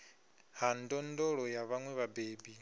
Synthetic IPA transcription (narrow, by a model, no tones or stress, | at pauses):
handɔndɔɺɔjaβaŋwɛβabeːbi